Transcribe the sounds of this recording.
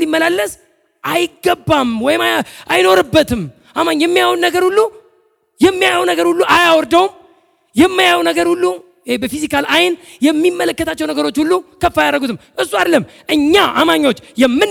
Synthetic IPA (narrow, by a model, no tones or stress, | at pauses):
limːəlalːəs | ʔajɪɡːəbːamwɔjɪmaajno̞ɾɨbːət̪ʰɨm | ʔamaɲːjɛmːijawunnəɡəɾhulːu | jɛmːijajwnəɡəɾhulːuʔajawɔɾd̪əwum | jɛmːɨjajwnəɡəɾhulːu | ebəfizikalajnjɛmːimːələkːət̪ʰat͡ʃːɛwnəɡəɾo̞t͡ʃːhulːukʰəfːajaɾəɡut̪ʰɨmʔɨsːuad̪ləmʔɨɲːaʔa̰maɲːo̞t͡ʃːjɛmːɨn